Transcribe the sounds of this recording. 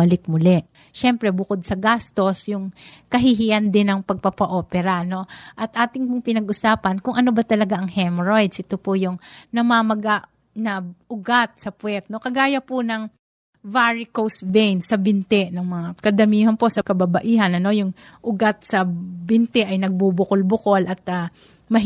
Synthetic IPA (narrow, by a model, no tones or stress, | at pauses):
ɐlɪk̚mʊlɛʔ | ʃɛmpɾɛbʊkod̪̚sɐɡast̪o̞sjʊŋkɐɦɪɦiʔɐnd̪ɪnɐŋpɐɡ̚pɐpɐʔo̞ːpɛɾɐno̞ʔɐt̪ʔaːt̪ɪŋpʊŋpɪnɐɡʔʊsaːpɐnkʊŋʔɐno̞bɐt̪ɐlɐɡaʔɐŋhɛmɹo̞jd̪sʔɪt̪opojʊŋnɐmamɐɡaʔ | nɐʔʊɡat̪̚sɐpwɛt̪̚no̞kɐɡaːjɐpʊnɐŋ | vaɹɪkowsvɛjnsɐbɪnt̪ɛʔnɐŋmɐŋakɐd̪ɐmiːhɐnpo̞sɐkɐbɐbɐʔiːɦɐnɐno̞jʊŋʔʊɡat̪̚sɐbɪnt̪ɛʔɐjnɐɡ̚bubʊkolbʊko̞lʔɐt̪̚ɐ | mɐ